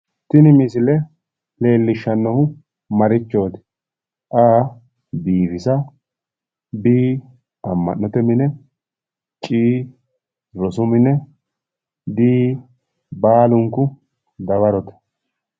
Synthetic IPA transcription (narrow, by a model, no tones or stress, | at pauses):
t̪ɪnɪmɪsɪlɛ | le̞ːlːɪʃːɐnːɔhʊ | mɐɾɪt͡ʃːoːt̪ɪ̥ | ʔaː | biːfɪsɐ | biː | ɐmːɐ̰nːɔt̪ɛmɪnɛ | t͡ʃʼiː | ɾɔsʊmɪnɛ | d̪iː | baːlʊŋkʊ | d̪ɐβɐɾɔt̪ɛ̥